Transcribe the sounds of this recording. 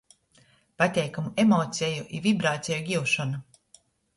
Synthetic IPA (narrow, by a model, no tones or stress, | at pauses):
pat̪ʲɛjkamuemɔt̪sʲɛjuʔḭvibɾaːt̪sʲejuɡʲiwʃɔnu